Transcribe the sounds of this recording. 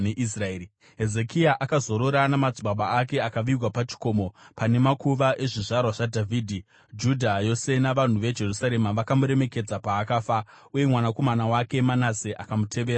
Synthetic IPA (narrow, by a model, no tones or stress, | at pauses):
neʔisraeːɾi | ɦe̞ze̞kiaʔakazo̞ɾo̞ɾanamad͡ziɓaɓaːke̞akaʋiwapat͡ʃi̥ko̞ːmo̞pane̞makuʋaʔe̞ʐiʐarwaʐadʱavʱiːdʱi | d͡ʒudʱajo̞se̞naʋan̤uʋe̞d͡ʒe̞rusaɾe̞maʋakamuɾe̞me̞ke̞d͡zapaːkaːfa | uje̞mwanako̞manawake̞manaseʔakamutʰe̞ʋeːɾaa